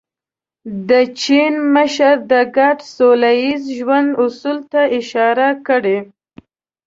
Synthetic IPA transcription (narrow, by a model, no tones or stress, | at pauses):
d̪ət͡ʃinməʃaɾd̪əɡaʈsolajizʒwand̪ʊsult̪aɪʃɑɾakəɽe